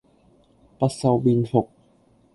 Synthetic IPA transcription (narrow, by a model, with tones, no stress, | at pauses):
pɐ˥t̚sɐ˧wpiː˧nfʊ˨k̚